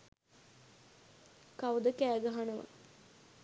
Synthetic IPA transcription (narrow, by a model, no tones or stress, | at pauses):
kawd̪əkæːɡəɦanɐʋa̰